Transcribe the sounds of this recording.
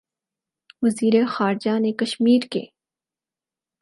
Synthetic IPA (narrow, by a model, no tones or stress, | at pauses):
ʋɐziːɾexaːɾd͡ʒanekɐʃmiːɾkḛː